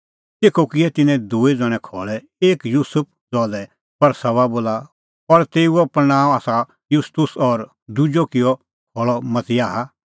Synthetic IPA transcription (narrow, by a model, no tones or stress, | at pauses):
t̪eːkʰokɪɛt̪ɪnɛ̃d̪uːid͡zɐ̃ɽ̃ɛ̃kʰɔːɭɛ | eːkjuːsʊp̚ʰd͡zɔːlɛ | pɐɾsɐβaboːla | ɔɾt̪eːuɔpɾnãːõaːsa | jʊst̪ʊsɔːɾ | d̪ud͡ʒɔkɪjɔ | kʰɔːɭɔmɐt̪ɪaːɦa